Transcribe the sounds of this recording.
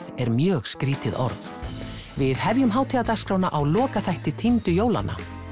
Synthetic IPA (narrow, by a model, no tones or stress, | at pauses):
ɛɾmjœːɣskɾiːt̪ɪðɔ̰ɾt̪ | vɪðhɛvjʏmɦaːwt̪ʰiat̪askɾoːwnaʔawlɔːkaθajht̪ɪt̪ʰint̪ʏjoːwla̰nʔa̰